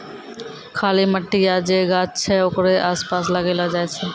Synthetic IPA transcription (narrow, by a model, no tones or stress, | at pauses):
kʰaːliməʈːijad͡ʒeɡaːt͡ʃt͡ʃʰɛokɾeʔaːspaːsləɡelad͡ʒaɛt͡ʃʰɛ